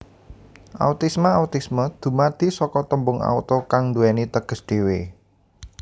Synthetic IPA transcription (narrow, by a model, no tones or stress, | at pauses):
ʔa̰ut̪ismaaut̪isməd̪̥ṳmad̪̥i̤sɔkɔt̪əmbʊŋa̰ut̪ɔkaŋnd̪uɛnit̪əɡ̥ə̤sd̪̥e̤we